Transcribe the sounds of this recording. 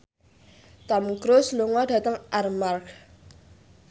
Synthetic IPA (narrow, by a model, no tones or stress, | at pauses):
t̪amɡɾosloŋwadat̪aŋʔarmark